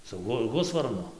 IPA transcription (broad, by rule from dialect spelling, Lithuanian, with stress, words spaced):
sʊ ˈɣʊ ˈɣʊsʋɐrnʊ